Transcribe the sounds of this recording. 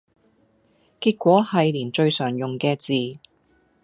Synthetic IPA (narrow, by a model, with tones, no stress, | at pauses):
kiː˧t̚kʷɔː˨˥hɐ˨jliː˨˩nt͡ʃɵ˧ɥsœː˨˩ŋjʊ˨˩ŋkɛː˧t͡siː˨